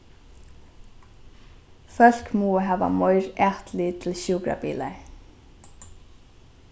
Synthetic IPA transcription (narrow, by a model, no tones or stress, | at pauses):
fœl̥kmuːɦaːva̰mɔjɾaht̪lɪt̪ʰɪlɕuːkɾa̰pḭːlaj